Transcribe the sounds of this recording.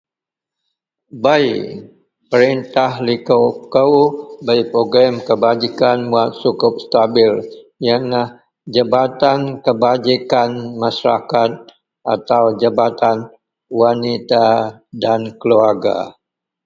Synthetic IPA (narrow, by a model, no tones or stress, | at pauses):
bai | pəɾint̪ahlikəwkəwbajpɾoɡɾamkəbad͡ʒikanmuat̪̚sukʊp̚st̪abɪljanah | d͡ʒəbat̪ankəbad͡ʒikanmasɾa̰kat̪̚ | ʔat̪awd͡ʒabat̪an | wanit̪adankəluarɡa̰